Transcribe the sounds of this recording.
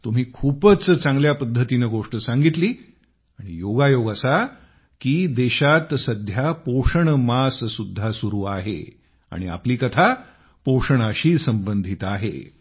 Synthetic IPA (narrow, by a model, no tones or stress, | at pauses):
t̪um̤iːkʰupət͡st͡sãŋɡljapəd̪ʱːət̪inəɡoʂʈəsãŋɡit̪liː | aɽ̃ḭjoɡajoɡasa | kiːd̪eɕat̪səd̪ʱjapoʂəɳmassud̪ʱːasuɾuːaɦḛ | a̰ɽ̃ia̰pliːkət̪ʰa | poʂəɳ̃əɕiːsəmbənd̪ʱit̪aɦḛ